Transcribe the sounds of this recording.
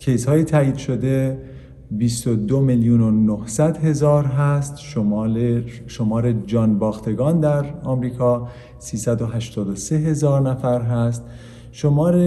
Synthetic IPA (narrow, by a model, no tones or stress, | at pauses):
cʰe̞jshɒːjet̪ʰæiːd̪̥ʃo̞d̪e̞ | bist̪od̪omeljunonohsæd̪he̞zɒːɾɦæst̪ʃo | ʃomɒːɾed͡ʒɒːnbɒːxt̪ʰe̞ɡɒːnd̪æɾɒːmɾiːkʰɒː | siːsæd̪oɦæʃt̪ʰɒːd̪ose̞ɦe̞zɒːɾnæfæɾɦæst̪ | ʃo̞mɒːɾe